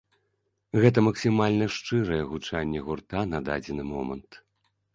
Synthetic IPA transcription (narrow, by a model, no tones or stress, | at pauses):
ɣɛt̪ɐmɐksʲimalʲnɐʂt͡ʂɨɾɐjɛɣut͡ʂanʲːɛɣurt̪anɐd̪a̰d͡zʲɛnɨmɔmɐ̰nt̪